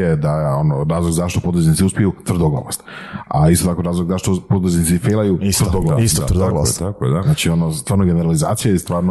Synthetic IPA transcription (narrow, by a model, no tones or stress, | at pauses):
ed̪ajeonoɾaːzlˠoɡzaʃt̪o̞pod̪ɾoznit̪siuspijut̪ʋr̩d̪oɡlo̰ʋost̪a̰ist̪ot̪akoɾaːzlˠoɡzaʃt̪opod̪ɾoznit̪sifeːlajurɾd̪oɡoa̰aakḛd̪aznaːt͡ʃionost̪ʋaːɾnoɡeneɾaliza̰ːt̪sijost̪ʋaːɾno